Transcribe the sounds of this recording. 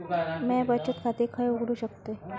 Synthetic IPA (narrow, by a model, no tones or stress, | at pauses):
mɛ̃bət͡ɕət̪kʰat̪iːkʰəjuɡɽuːɕəkt̪e